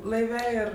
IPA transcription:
lˠɐɪˈʋʲɛ ˈɪr

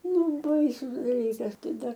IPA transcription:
ˈnʊ ˈbɐɪsʊs dɐˈlʲiːkɐs ˈtɐɪ ˈdɐr

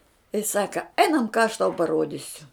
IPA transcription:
jɪs ˈsɑːkɐ ˈɛɪnɐm kɑː ɐʃ tɐʊ pɐˈruɔdʲɪsʲʊ

